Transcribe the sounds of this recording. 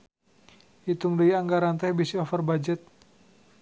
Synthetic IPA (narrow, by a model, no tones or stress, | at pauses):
it̪uŋdəjaŋɡaɾant̪ɛhbisiɔfərbad͡ʒət̪̚